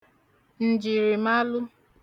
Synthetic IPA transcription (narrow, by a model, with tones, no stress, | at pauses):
n̩˨d͡ʒi˨ɾi˨ma˦lʊ˦